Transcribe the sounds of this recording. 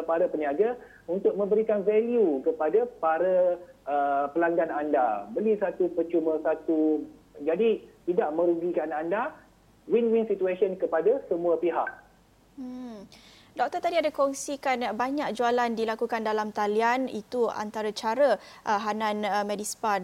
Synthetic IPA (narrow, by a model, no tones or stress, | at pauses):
paɾapəniaɡa | unt̪ʊk̚mə̃mbəɾikanvɛljukəpadapaɾaʔəpəlaŋɡanandabəlisat̪upət͡ʃumə̃sat̪u | d͡ʒadit̪idaʔmə̃ɾuɡikananda | winwinsit̪uesɔnkəpadasəmuapiɦa̰ʔ̩ | dɔk̚t̪ɔrt̪adiadakɔŋsikanbaɲak̚d͡ʒualandilakukandalamt̪alianḭt̪ua̰nt̪aɾat͡ʃaɾəʔəɦananəmɛdispa